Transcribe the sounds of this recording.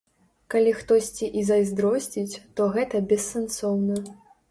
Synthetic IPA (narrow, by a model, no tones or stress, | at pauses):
kalʲixt̪ɔsʲt͡sʲiʔizɐjzd̪ɾɔsʲt͡sʲit͡sʲt̪ɔɣɛt̪ɐbʲɛsːɛnsɔwnɐ